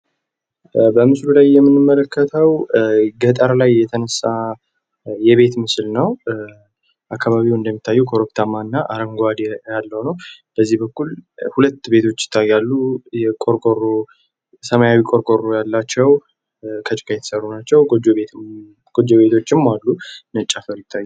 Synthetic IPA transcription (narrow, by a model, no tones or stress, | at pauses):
bəmɨslulajːɛmːɨnɨmːələkʰːət̪ʰəwɡət̪ʼəɾlajːɛt̪ʰənəsːa | jɛβe̞t̪mɨslnəw | ʔakːaβaβiwɨnd̪əmːit̪ʰːajːukʰoɾopt̪ʰamːanːaʔaɾəŋɡʷad̪jalːəwnəwb̥əzːihbəkːulhulət̪ːbe̞t̪ʰo̞t͡ʃːɪ̥t̪ʰːajalːujɛkʼoɾkʼorːo | səmajawikʼoɾkʼorːojalːat͡ʃːɛw | kʰət͡ʃʼkʰajɛt̪ʰə̥sərːunat͡ʃːɛwod͡ʒoe | ɡ̥od͡ʒoβe̞t̪ʰo̞t͡ʃːɪmːalːunət͡ʃʼːafəɾjɪt̪ʰːajːu